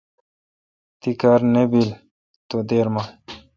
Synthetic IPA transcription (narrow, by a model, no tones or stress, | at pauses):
t̪ikaɾnebil | t̪od̪eɾma